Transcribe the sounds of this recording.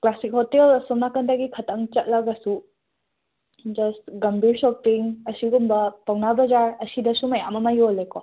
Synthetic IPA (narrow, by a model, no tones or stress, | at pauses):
klasik̚hɔtelsɔmnakɐndaɡikʰɐtɐŋt͡ʃɐt̚lɐɡasu | d͡ʒɐstɡɐmbʱiɾsɔk̚piŋɐsiɡumbɐpawnabɐzaɾɐsidɐsumɐjamɐmajolekɔ